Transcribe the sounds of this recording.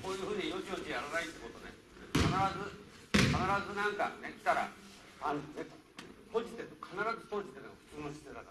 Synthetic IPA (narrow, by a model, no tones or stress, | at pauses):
ko̞ːjɯ̟ːɸɯ̟ːɲ̟iino̞t͡ɕiot͡ɕejaɾanait̪ːeko̞t̪o̞nḛ | kʰanaɾazɨ | kanaɾazɨnãŋka̰j̪akʲi̥t̪aɾa̰ | ãne | soːd͡ʑi̥t̪ekʰanaɾazɨso̞ːd͡ʑit̪ːenɸɯ̟̥t͡sɨːnoɕi̥t̪et̪ak̪